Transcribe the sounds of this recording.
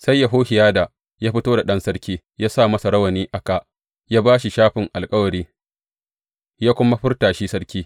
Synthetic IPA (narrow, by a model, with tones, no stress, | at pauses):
sa˦jːa˨ɦoː˦hɪ˨jaː˦da˨ | jaː˦ɸɪ˦toː˦da˨ɗɐ˦nsɐ˦ɽkʲiː˦ | jaː˦sa˦˨mɐ˦sa˨ɾɐ˦wɐ˨niː˦ʔa˦ka˨ʔ | jaː˦baː˦ʃi˨ʃaː˦ɸɪ˨ŋʔa˨lkʼɐ˦wɐ˨ɽiː˦ | jaː˦kʷʊ˦ma˦ɸɪ˦rtaː˨ʃi˦sɐ˦ɽkʲiː˦